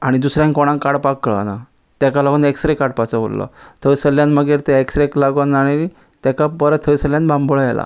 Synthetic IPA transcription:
aɽ̃id̪usɾjãnkoɽ̃ãŋkaɽpakːɭə̰na | t̪jɛkalaɡoneksɾekaɽ̚pat͡sabo̰lːə̰t̪ʰəjsəlːjãnməɡeɾt̪ɛeksɾeklaɡonaɽi | t̪akapəɾət̪ʰːəjsəljãnbãmboɭjɛla̰

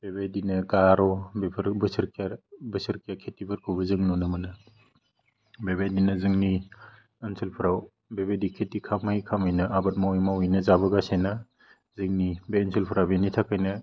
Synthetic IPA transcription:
b̥ebajdinɐkaɾɔbeɾbɯsɯɾkʰaɾbɯsɯɾkʰijakʰetːibɯɾkʰɯwbɐzɯŋnunɐmɐnɐ | bebajdinɐzɯŋni | ɐnsʰilpʰɯɾaw | bebedikʰetːikʰamajkʰamɯjnɐʔabɐt̚mawimawijnɐzabɐɡasejna | zɯŋnibensʰilpʰuɾabenitʰakʰajnɐ

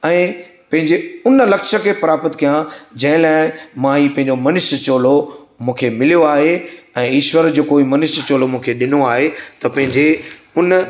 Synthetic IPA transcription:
ɛ̃ː | pɐ̃ɦɪ̃ɲd͡ʑeʊnlɐkʃə̆kʰepɐɾaːpət̪kʰijãd͡ʑɐ̃ɦɪ̃laːɪmãɦiːpɐ̃ɦɪ̃ɲd͡ʑomɐnɪʃt͡ɕoːlo | mũːkʰemɪlijoaːɦeɛ̃ːiːʃwəɾd͡ʑoːkoːimɐnɪʃt͡ɕoːlomũːkʰeɗɪnoaːɦet̪ɐpɐ̃ɦɪ̃ɲd͡ʑe | ʊn

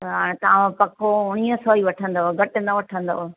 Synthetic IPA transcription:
ɦãːẽt̪ɐʋãpɐkʰoʊɽ̃iə̃soːiʋɐʈʰə̃nd̪oːɡɐʈɪnɐʋɐʈʰə̃nd̪o̰ːɦ

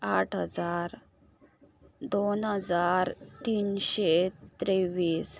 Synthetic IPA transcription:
aʈʰɦəd͡zaɾ | d̪onɦəd͡zaɾt̪iːnɕet̪ɾeʋiːs

